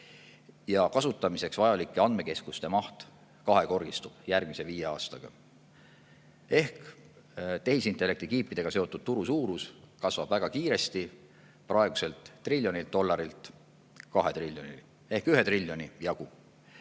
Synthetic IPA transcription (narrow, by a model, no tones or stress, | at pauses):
jɑkɑsut̪ːˑɑmise̞ksvɑjɑlikːˑeɑnd̪̥me̞ke̞skust̪emɑht̪ | kɑɦe̞ko̞rɡ̥ist̪ub̥jærɡ̥mise̞viːjeɑːst̪ɑɡ̥ɑ̰ | e̞hk | t̪e̞hisint̪ːˑe̞lːe̞k̚t̪ikiːpːˑid̪̥e̞ɡ̥ɑse̞o̞t̪ːˑud̪̥̚t̪uɾusuːɾuskɑsvɑb̥væɡ̥ɑkiːɾe̞st̪i | prɑeɡ̥use̞lt̪ˑːrilʲːjo̞nild̪o̞lːɑɾilt̪ˑ | kɑɦe̞t̪rilʲjoni | e̞hkyɦe̞t̪rilʲːjo̞nijɑɡ̥u